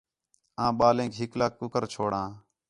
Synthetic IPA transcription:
ãːɓaːlẽːkɦɪklaːkːʊkəɾt͡ʃʰoːɽãː

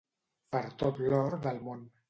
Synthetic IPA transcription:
pəɾt̪ot̪lɔɾðəlˠmon

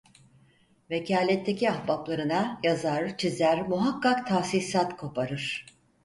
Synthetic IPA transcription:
vecʰaːlʲɛt̪ʰːe̞ciahbaplˠaɾɯnajazaɾt͡ʃʰizæɾmuɦakʰːakt̪ʰaːsisat̪kʰo̞pʰaɾɯɾ̥

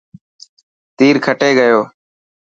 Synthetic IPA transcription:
t̪iːɾkʰəʈeːɠəjoː

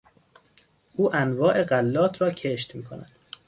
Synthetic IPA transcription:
ʔuːʔænvɒːʔe̞ɢælːɒːt̪ʰɾɒːcʰeʃt̪miːkʰonæ̰d̪̥

